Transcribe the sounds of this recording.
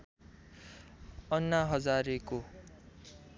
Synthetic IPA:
ʌnːaɦʌd͡zaɾeko

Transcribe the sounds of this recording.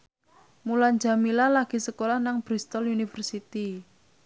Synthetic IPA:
muland͡ʒa̤milalaɡ̥i̤səkolahnaŋb̥ɾist̪ɔlunifərsit̪i

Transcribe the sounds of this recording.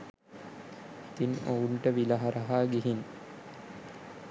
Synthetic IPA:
it̪ino̰uɳʈəʋilɐɦaɾɐɦaːɡiɦin

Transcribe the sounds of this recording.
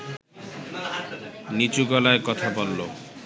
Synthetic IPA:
nit͡ɕuɡɔlaekɔt̪ʰabolːo

